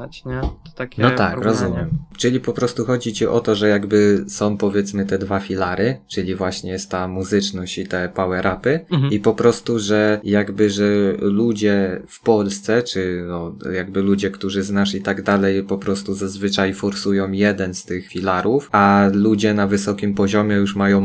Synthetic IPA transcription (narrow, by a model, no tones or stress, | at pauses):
anɔt̪akɾɔzumʲjɛmt͡ʂɘlʲipɔpɾɔst̪uxɔd͡ʑit͡ɕiʔɔt̪ɔʐɛjaɡbɘsɔ̃w̃pɔvʲjɛt̪smɘt̪ɛd̪vafʲilaɾɘt͡ʂɘlʲivwaɕɲɛjɛst̪ːamuzɘt͡ʂnɔɕt͡ɕit̪ɛpawɛɾʔapɘipɔpɾɔst̪uʐɛjaɡbɘʐɛlud͡ʑɛfpɔlst̪sɛt͡ʂɘnɔjaɡ̚bɘlud͡ʑɛkt̪uʐɘznaʂit̪aɡd̪alɛjpɔpɾɔst̪uzazvɘt͡ʂajfɔɾsujɔ̃w̃jɛd̪ɛnst̪ɘxfʲilaɾufʔalud͡ʑɛnavɘsɔkʲimpɔʑɔmʲɛjuʂmajɔ̃w̃